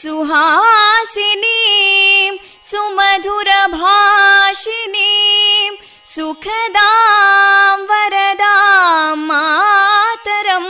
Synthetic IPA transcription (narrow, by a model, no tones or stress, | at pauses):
suɦaːsini | m | sumɐd̪ʱuɾɐbʱaːʃinim | sukʰɐd̪aː | ʋɐɾɐd̪aːmːa | t̪ɐɾɐm